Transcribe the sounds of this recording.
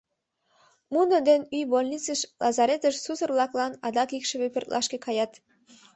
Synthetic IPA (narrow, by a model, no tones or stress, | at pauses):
munəd̪enyjbolʲnʲit͡səʃlʔɑzɑɾet̪əʃsusə̆rblˠɑklˠɑnɑd̪ɑkikʃə̆βepø̆rt̪lʔɑʃkĕkɑjɑt̪